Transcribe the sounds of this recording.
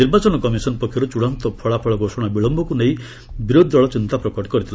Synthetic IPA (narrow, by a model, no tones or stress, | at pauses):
niɾbat͡ʃɔnɔkɔmisɔnpɔkʰjɔɾut͡ʃuɽɔnt̪ɔpʰɔɭapʰɔɭɔɡosɔɽ̃abiɭɔmbɔkuneĩ | biɾod̪aɭɔt͡ʃint̪apɾɔkɔʈɔ̥kɔɾit̪ʰila